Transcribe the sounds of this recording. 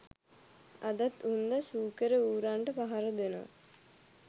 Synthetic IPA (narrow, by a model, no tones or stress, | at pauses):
ad̪at̪und̪əsuːkəɾəuːɾaɳʈəpaɦaɾəd̪eno̰a̰